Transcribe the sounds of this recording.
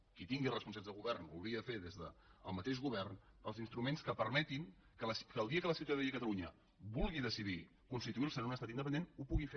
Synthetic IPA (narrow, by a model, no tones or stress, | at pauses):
kit̪iŋɡilrəspunsazðəlˠɣuβɛrnbṵliəðəfeðezðəəlˠmət̪eʃɣuβɛrn | əlˠzinst̪ɾumenskəpəɾmɛt̪in | kələskəːlˠd̪iəkələsiwt̪aðikət̪əluɲə | βulˠɣiðəsiði | kunst̪it̪uiəlˠsəounəst̪at̪ind̪əp̬ənd̪enupuɣife